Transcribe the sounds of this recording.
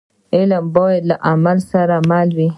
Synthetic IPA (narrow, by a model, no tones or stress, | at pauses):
elamboelaʔamalsaɾamalwi